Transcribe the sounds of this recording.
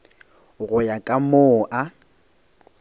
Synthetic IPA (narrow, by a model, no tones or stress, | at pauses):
ɣʊjakʼamoːʔa